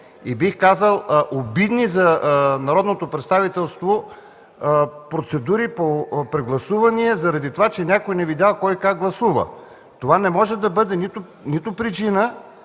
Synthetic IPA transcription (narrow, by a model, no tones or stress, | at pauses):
ibixkazəlˠʔobid̪nizɐnɐɾɔd̪not̪opɾɛt̪st̪avit̪ɛlˠst̪vo | pɾot̪sɛd̪uɾipopɾɛɡlˠɐsuvɐniɛzɐɾɐd̪it̪ovat͡ʃɛnʲakojnɛvid̪ʲalˠkɔjkaɡɡlˠɐsuvə̰ | t̪ovanɛmɔʒɛd̪ɐbɤd̪ɛnit̪ʊ | nit̪ʊpɾit͡ʃinə